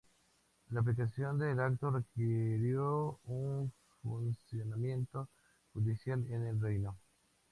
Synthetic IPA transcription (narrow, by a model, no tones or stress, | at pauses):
laːp̬likasjond̪elak̚t̪orekeɾjoun | funsjonamjent̪o | xud̪isjalenelrejno